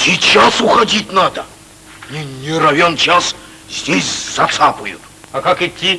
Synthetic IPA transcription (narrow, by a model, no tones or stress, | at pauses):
sʲit͡ɕasʊxɐdʲitʲnad̪ə | nʲɪnʲɪɾɐvʲont͡ɕas | zʲdʲesʲz̥ɐt̪sapəjʊ̰t̪ | ɐkakɪtʲːi